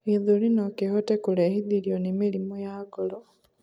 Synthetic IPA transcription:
iðulinokehotekulehiðiɾionimilimojaɡolo

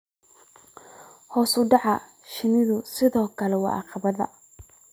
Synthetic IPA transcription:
hɔːsʊɖɑʕɑ | ʃɪnɪðʊsɪðɔːkʰɐlɛwɑ̰ːʔɑ̰qɑβɐðɐ̰

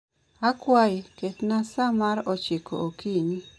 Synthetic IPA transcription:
akwajketnasamaɾɔt͡ʃikʰo̰okini

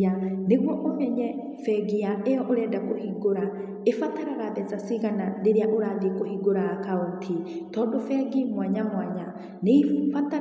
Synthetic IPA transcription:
aneɣwɔʔomɛɲɛ | fɛɡiaʔejɔʔoɾɛːdakohiɡoɾa | efataɾaɾaðɛt͡sasiɣanaɾeɾeaʔoɾaːðekohiɡoɾakauntʰitɔːdɔfɛɡimwaɲamwaɲa | nefata

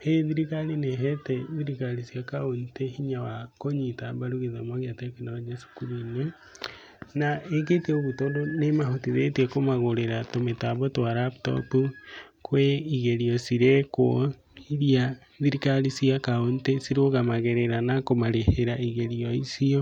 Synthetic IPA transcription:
heðiɾikalineɦeteðiɾikaɾisiakaontehiɲawakoɲitabaɾuɣeðamaɣeatekinawad͡ʒasu̥kuɾune | naeketeoβutoːndonemahotiðetekomaɣoɾeɾatometaβotwaɾapto̰pukweiɣeɾiɔsiɾekwo | iɾia | ðiɾikalisiakaontesiɾoɣamaɣeɾeɾanakomaɾeheɾaiɣeɾiɔisiɔ

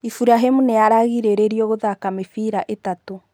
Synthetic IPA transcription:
ifuɾaɦemuneaɾaɣiɾeɾeɾiɔɣoðakamefiɾaʔetato

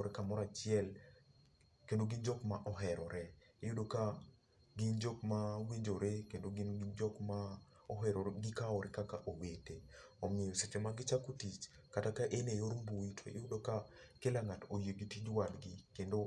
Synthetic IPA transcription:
ɾekamɔɾat͡ʃɪɛl | kendoɡind͡ʒɔkmaʔɔɦɛɾɔɾɛ | ejudoka | ɡɪnd͡ʒɔkmawiɲd͡ʒoɾekendoɡinɡnd͡ʒɔkma | ɔɦɛɾoɾɡɪkaɔɾɪkakaʔoweteɔmɪejɔset͡ʃemaɡɪt͡ʃakutit͡ʃ | katakaʔenejoɾmbuwitʰo̰ḛjʊdokakelaŋatojeɡitid͡ʒwadɡɪkendo

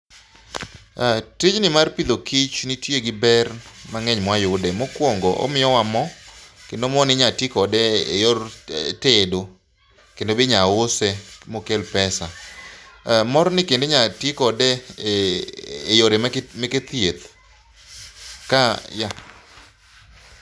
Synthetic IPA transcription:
tid͡ʒnɪmarpid̪okʰit͡ʃnitjeɡɪbɛrmaŋɛɲmwajʊdɛmɔkwoŋɡɔʔɔ̰mɪjɔwamɔkendomɔnɪɲatɪkɔdɛḛjɔrtedo | kendobeɲaʊsɛmokelpɛsa | mɔɾnɪkendeɲatɪkɔdɛ | joɾemmeket̪jet̪ | kaja

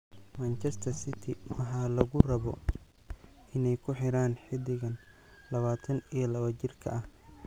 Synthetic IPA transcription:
maːnt͡ʃʰɛst̪ʰɐrsɪt̪ʰɪwɑħɑːlɐɣʊrɐβɔ̰ | ɪnɛjkʰʊħɪɾaːnħɪd̪ɪɣɐn | lɐβaːt̪ʰɐnijɐlɐβɐt͡ʃɪrkʰɐ̰ʔɐh

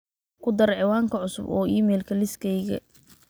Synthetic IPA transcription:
kʰʊd̪ɐɾɛʕɪwaːŋkʰɐʕʊsʊ̰bɔ̰ːʔiːmɛːlkʰɐlɪskʰɛjɣɐ̰

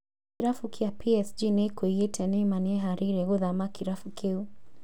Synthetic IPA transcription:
kiɾafukʰiapiɛsd͡ʒinɛkuijɛtʰɛnɛmaniɛɦaɾiɾɛɣuðamakiɾafukʰeu

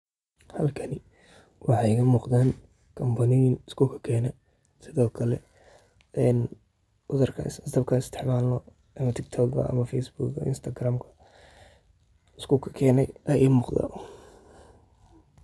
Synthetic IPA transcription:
hɐlkʰɐnɪ | wʔɑħɑjkɐmuːqd̪aːn | kʰɐmbɐnɪjɪnɪskʰʊkʰɐ̥kʰɛːnɛ | sɪðɔːkʰɐlɛ̰ | ɛːn | ʊðɐrkʰɐ̰sst̪ɐb̚kʰɐɪst̪ʰɪ̥ħmaːlɔ | ɐmɐt̪ʰɪkt̪ʰɔɡɡɐ̰ʔɐ̰mɐfɛjsbuːɡɐ̰ɪ̰nst̪ʰɐɡraːmkʰɐ̥ | ɪskʰʊkʰɐ̥kʰɛːnɛjʔɐjɛjmuːqd̪a̰

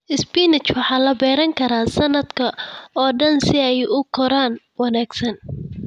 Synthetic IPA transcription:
ʔɪspiːnɪt͡ʃwɑħɑːlɐbɛːɾɐŋkʰɐɾaːsɐnːɐd̪kʰɐɔːɖɐnsɪɛjʊkʰɔɾaːn | wɑnaːɡsɐn

